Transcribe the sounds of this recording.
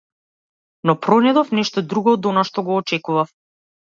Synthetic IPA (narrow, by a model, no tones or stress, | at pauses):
nɔpɾɔnɛd̪ɔfnɛʃt̪ɔd̪ɾuɡɔːd̪ɔnaʃt̪ɔɡɔːt͡ʃɛkuvaf